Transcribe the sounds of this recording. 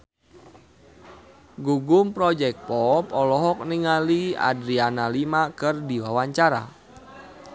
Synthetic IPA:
ɡuɡumpɾɔd͡ʒɛk̚pɔpɔlɔɦɔk̚niŋalia̰dɾianalimakɨrdiwawaɲt͡ʃaɾa̰

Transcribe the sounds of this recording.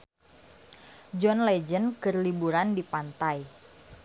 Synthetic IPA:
d͡ʒɔnlɛd͡ʒənkərlibuɾandipant̪aj

